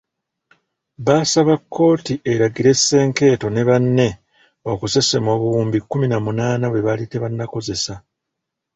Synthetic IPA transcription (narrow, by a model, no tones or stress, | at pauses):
βaːsaβakːo̞ːtiʔe̞ɾaɡiɾe̞sːe̞ːŋke̞ːto̞ne̞βanːe̞ | o̞kuse̞semoβuuːmbikːuminamunaːnaβwe̞βalite̞βanːako̞ze̞sa